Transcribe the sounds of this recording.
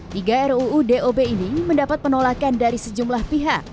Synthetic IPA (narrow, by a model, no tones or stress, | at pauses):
t̪iɡaɛruːdeʔobeiniməndapat̪̚pənolakandaɾisəd͡ʒumlahpiɦak̚